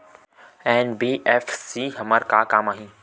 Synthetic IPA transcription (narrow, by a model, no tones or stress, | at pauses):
ɛːnbiːʔɛːfsiːɦɐməɾkakaːmaːɦĩː